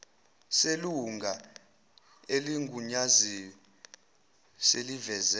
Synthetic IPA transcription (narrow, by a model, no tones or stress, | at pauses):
seluŋɡʱa | eliŋɡʱuɲazijɔ | selivɛzɛ